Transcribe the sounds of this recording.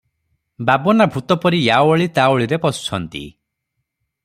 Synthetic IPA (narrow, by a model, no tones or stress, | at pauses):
babɔnabʱut̪ɔpɔɾijaoɭit̪aoɭiɾepɔsu̥t͡ʃʰɔnt̪ḭ